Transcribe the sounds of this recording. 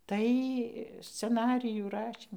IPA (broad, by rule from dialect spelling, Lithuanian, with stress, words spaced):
ˈtɐɪ sʲt͡sʲɛˈnɑːrʲɪjuː ˈrɑːʃʲiːm